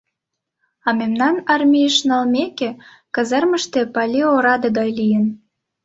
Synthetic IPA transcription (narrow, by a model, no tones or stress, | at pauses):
ɑmemnɑnɑrmʲijʃnɑlmekĕ | kə̆zərmə̆ʃt̪ĕpɑlʲioɾɑd̪ɤɡɑjlijə̆n